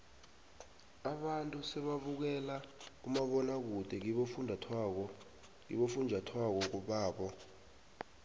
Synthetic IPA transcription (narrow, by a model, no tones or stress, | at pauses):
aɓantʼusɛɓaɓuk̬ɛlak̬umaɓɔnak̬ud̥ʱɛk̬iɓofundʱatʰɔ | ḭɓofund͡ʒʱatʰwak̬ɔk̬uɓaːɓɔ